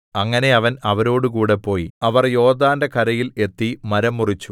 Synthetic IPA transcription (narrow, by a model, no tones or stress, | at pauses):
ɐŋːɐne̞ɐʋɐnɐʋɐɾo̞ːɽɨkuːɽe̞pːo̞ːjiɐʋɐrjo̞ːd̪aːndekʰɐɾɐjile̞t̪ːimɐɾɐmːurit͡ɕːu